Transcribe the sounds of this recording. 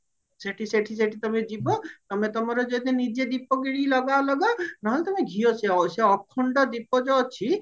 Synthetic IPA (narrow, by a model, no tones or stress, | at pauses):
seʈʰiseʈʰis̬eʈʰit̪ɔmed͡ʒibɔt̪ɔmet̪ɔmɔɾɔd͡ʒɔd̪inid͡ʒed̪ipːɔɡiɽilɔɡalɔɡɔnaɦɔlet̪ɔmeɡʱioseɔseɔkʰːɔɳɖɔd̪ipɔd͡ʒɔt͡ʃʰi